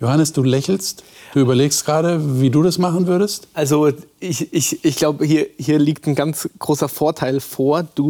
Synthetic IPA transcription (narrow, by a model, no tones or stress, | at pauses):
johanəsd̥uːlɛçl̩std̥uːyːbɐleːkstɡ̥ʁaːɾəviːduːdasmaχn̩vʏɐɾəstʔalzoʔɪçɪçɪçɡ̥laʊbəhiːɐhiːɐliːk̚tn̩ɡant͡sɡ̥ʁoːsɐfoːɐtʰaɪlfoːɐd̥uː